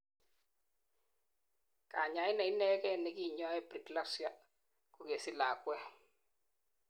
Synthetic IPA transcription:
ka̰˨ɲa˨˦ɪ˦nɛ˨i˦nɛ˦kɛ˦˨nɛ˨ki˦˨ɲɔ˦ɛ˦bɾi˨kla˦sja˦ | ku˨ke˨si˦la˨kwɛ˦

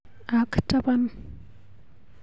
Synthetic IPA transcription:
a˨kta˦pa˦n

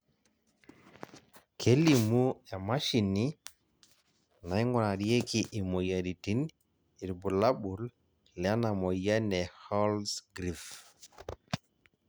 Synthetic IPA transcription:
kʰe˦li˨mu˦ɛ˨ma˦ʃi˨ni˦ | na˨i˦ŋɔ˨na˨di˦e˦ki˨ʔi˨mo˨ja˨di˨ti˦n | i˨ɾbu˨la˦bu˨l | lɛ˨a˦na˨mɔ˨ja˦nɛ˨hɔ˦lsɡɾif

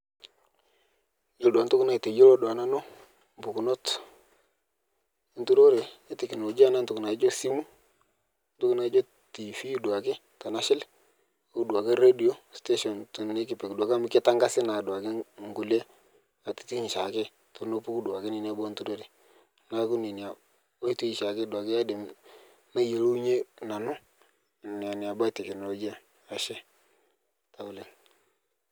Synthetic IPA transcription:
d͡ʒo˦lda˨n˦tu˦kna˦i˨te˨d͡ʒo˦lo˦dwa˨na˦no˦ | m˨bu˨ku˨no˦t | ntu˦ɾo˦ɾe˨e˨tɪ˨ki˨no˨d͡ʒa˦na˦ntu˨kna˨i˦d͡ʒo˦si˦mu˦ | n˦tu˦ku˦na˨i˦d͡ʒo˦ | ti˨fi˦dwa˨kɪ˦ | ta˨na˦ʃɪ˦l | a˨˦u˦du˨a˨ke˦ɾe˦di˨o˦ste˦ʃɔ˨ntu˨e˦kɪ˨pɪ˨kdu˨a˨ka˦mi˦kɪ˦ta˦ŋɡa˦sɪ˦na˨dwa˨kɪ˦ŋɡʊ˨le˦ | a˨ti̥˨ti˦ɲ˨ʃa˨kɪ˦ | to˨no˦pu˦ku˦dwa˨kɪ˦nɪ˨n˦a˦bɔ˦ntu˦do˦ɾɪ˦ | na˦kʊ˦ni˨ni˨a˨ | o˦i˦to˦i˦ʃa˨kɪ˦dwa˨kɪ˦ja˦de˨m | na˦je˨lo˦ɲe˦na˨nʊ˦˨ | nɪ˨a˨nɪ˨a˨ba˦tɛ˨knɔ˨lɔ˨ɡi˦a˨ | a˨ʃɛ˦ | ta˨ʊ˨le˨ŋ

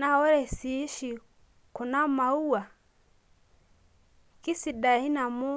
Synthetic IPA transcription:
na˦ɔ˦ɾɛ˨siː˨˦ʃi˨ | kɔ˨na˦ma˨u˦a˨ | ki˦si˨da˨i˦na˨mɔ˦

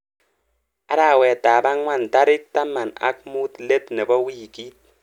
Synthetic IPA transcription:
a˦ɾa˦˨wɛ˨taː˨ba˦ŋʷa˦˨n˨ta˦ɾi˦k̚ta˦mːa˨na̰˦k̚mu˦tle˦tne˨bɔ˦wi˦˨ki˦t̚

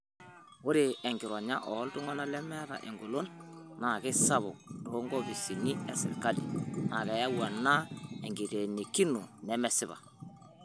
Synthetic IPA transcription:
ʊ˦ɾe˨ɛ˨ŋɡɪ˨ɾɔ˨ɲa˦ʔɔ˨˦ltu˦ŋa˦na˦lɛ˦mɛ˦ɾa̰˨ʔɛ˨ŋɡo˨lo˦nna˨kɪ˦sa˦βɔ̰˨to˦ŋɡɔ˦bi˨si˨ni˦ɛ˨sɪ̰˨lka˦lḭ˨na˨kɛ˨ja˦wa˨na˦ɛ˨ŋɡi˨ɾe˨ne˨ki˦nu˨nɛ˦mɛ˨sɪ˦βa̰˨

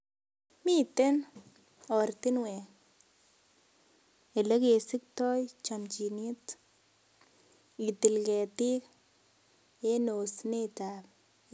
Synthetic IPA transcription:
mi˦t̪e˦n | ɔ˨ɾt̪i˦nwɛ˨ | e˨le˦ke˨sɪ˦k̚tɔ˦jt͡ʃamt͡ʃi˨ni˦t | i˨t̪i˨lkɛ˨t̪i˦k | e˦no˨snetap

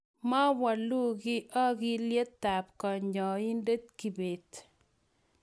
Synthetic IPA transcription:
ma˦wa˨lu˦ɡɪ˦ʔɔ˦ɡɪ˦lje˦t̪ːa˨p̚kɔ˨ɲɲɔ˨i˦nde˦t̪̚ki˨be˨t̪

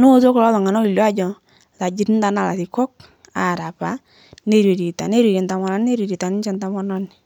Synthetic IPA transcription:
nʊ˦o˦t̬o˦klɔ˦ðɔ˨ŋa˨nɔ˦li˨lja˦d͡ʒɔ˨ | la˨d͡ʒi˦tn˦da˨na˨la̰˨tɪ˨kɔ˦k̚ | a˨ɾa˨pa˨ | ne˦˨ɾe˨ɾi˨ta̰˨ne˦ɾi˨ɾe˨nta˨mɔ˨na˨˦n˦ne˦ɾe˨ɾi˨ta˨nɪ˦t͡ʃɛ˦nta˦mɔ˦nɔ˦nɪ˨

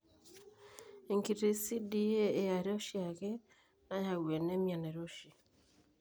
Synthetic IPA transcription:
e˨ŋki˨ɾe˦si˦di˦e˦e˨ja˨ɾɔ˦ʃi˦a˨ɣe˦ | na˦ja˨we˨ne˦mja˨nɛ˨ɾo˦ʃi˨

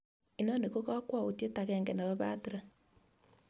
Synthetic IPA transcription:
i˨nɔ˦ne˨ko˦ɣa˦kwa˨o˨tje˦ta˨ɣɛː˨ŋɡɛ˨na˨βa˦βa˦ti˦ɾa˦

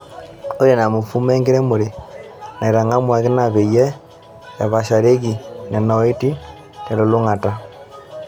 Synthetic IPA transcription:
o˦je˨na˨mo˨fu˦me˦ŋɡe˦ɾe˦mo˨ɾe˨na˨i˨ɾa˨ŋa˦mwa˨ɣe˦na˨βe˨je˦ | ja˨βa˨ʃa˨ɾe˦ɣi˨na˨na˨˦e˦ti˦ | ne˨lo˨lo˦ŋa˨ta˦

